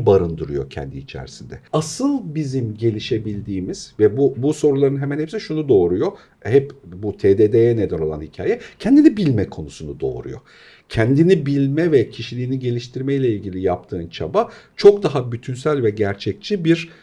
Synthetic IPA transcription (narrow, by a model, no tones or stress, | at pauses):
baɾɯnd̪ɯɾujo̞̰cʰɛ̰nd̪iːt͡ʃʰæ̰ɾsind̪ɛasɯlˠbizimɟe̞lʲiʃe̞bilʲd̪iːmiz̥vɛbubuso̞ɾulˠaɾɯnɦɛmænhɛpsiʃunud̪o̞ːɾujo̞ | hɛpbut̪ʰeːd̪eːd̪ejɛne̞d̪æno̞lˠa̰nhicʰa̰ːjɛcʰɛnd̪inibilʲmɛkʰo̞nusunud̪o̞̰ːɾṵjo̰ | cʰɛnd̪inibilʲmɛvɛcʰiʃilʲiːniɟe̞lʲiʃt̪ʰiɾmɛjlʲɛilʲɟilʲijapt̪ʰɯːnt͡ʃʰabat͡ʃʰo̞kd̪aɦabyt̪ʰynsælʲvɛɟæɾt͡ʃʰɛc̚t͡ʃʰibiɾ